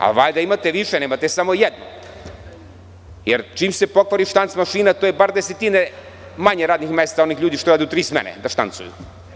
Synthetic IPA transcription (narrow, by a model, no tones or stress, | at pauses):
a̰ʋaʎd̪aimat̪eʋiʃeneːmat̪esamojɛd̪no̰ | jeɾt͡ʃiːmsepokʋaɾiʃt̪ant̪smaʃiːnat̪ojebaɾd̪eset̪ine | maɲeɾaːd̪nixmeːst̪saonixʎuːd̪iʃt̪oaːd̪ut̪ɾiːsmɛ̰nḛd̪aʃt̪a̰nt̪sṵjṵ